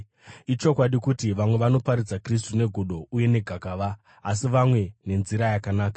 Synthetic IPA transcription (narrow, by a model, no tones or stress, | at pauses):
it͡ʃo̞kwaɗikutiʋamwe̞ʋano̞paɾid͡zakris̬tune̞ɡʱoɗo̞ʔuje̞ne̞ɡʱakaʋaː | s̬iʋamwe̞ne̞nziɾajakanaːkḁ